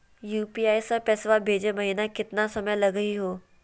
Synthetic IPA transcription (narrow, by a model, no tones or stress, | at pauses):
juːpiːaːisãpɛːsʋabʱeːd͡ʒemɐɦiːnakɪt̪nasɐməjlɐɡəiɦoː